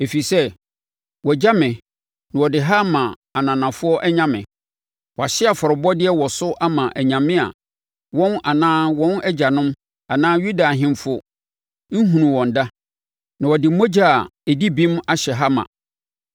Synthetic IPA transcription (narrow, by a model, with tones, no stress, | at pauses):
e˨fi˨sɛ˦ | wɔ˨d͡ʑa˦mɪ̃˨ | nã˨wɔ˨dɪ˨ɦa˦mã˨ | a˨nã˨nã˨fʊ˦ɔ˦ʔɛ˦ɲã˦mɪ̰̃˨ | wɔ˨a˨ɕɪ˦a˨fɔ˨ɾʊ˨bɔ˦dɪ˦ɛ˦wɔ˨sʊ˦ʔa˦mã˨ʔæ˨ɲã˨mɪ̃˦a̰˨ | wɔ̃˦nʔa˨nãː˦wɔ̃˦nɛ˦d͡ʑa˨nʊ̃˦m | a˨nãː˦ju˦da˨ɦɪ̃˦mfʊ˦ | n̩˦ɦũ˨nũ˨wɔ̃˨n˨da˦ | nã˨wɔ˨dɪ˨˦mo˦d͡ʑa˦˨ɛ˨di˦bĩ˦ma˦ɕɛ˨ɦa˦mã̰˨